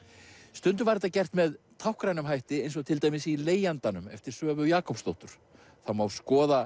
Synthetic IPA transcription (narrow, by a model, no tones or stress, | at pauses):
st̪ʏnt̪ʏɾvaɾɛt̪acɛr̥t̪mɛð | t̪ʰawhkɾajnʏmɦajht̪ɪejns̬ɔɣt̪ʰɪlt̪ajmɪsileːjant̪anʏmɛ̰ft̪ɪɾ̥sœːvʏjaːkɔwpst̪o̰wht̪ʏɾ̥ | θawmawskɔːða